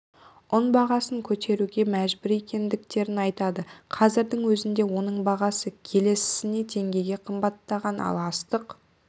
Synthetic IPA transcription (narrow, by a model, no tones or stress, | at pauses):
ʊnbɑʁɑsəŋkʲʰɵt̪ʰe̞ɾuɡʲe̞mæʒbʏɾe̞kʲe̞nd̪ɪk̚t̪e̞ɾɪnɑjt̪ɑd̪əqʰɑzɪɾd̪ɪŋwɵzɪnd̪e̞wo̞nəɴbɑʁɑsəkʲʰe̞le̞sɪ̥sɪne̞d̪e̞ŋɡʲe̞jɡʲe̞qʰəmbɑt̪ːɑʁɑnɑ̰lˠɑst̪əq